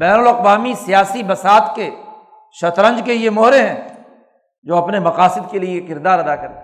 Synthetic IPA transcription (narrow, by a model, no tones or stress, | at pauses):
bɛːnʊlɐqwaːmisijaːsibɐsaːt̪ke | ʃɐt̪ɾə̃nd͡ʒkejemoːɾeɦɛ̃ː | d͡ʒoːɐpnemɐqaːsɪd̪̚keliekɪɾd̪aːɾɐd̪akɐɾḛ̃ː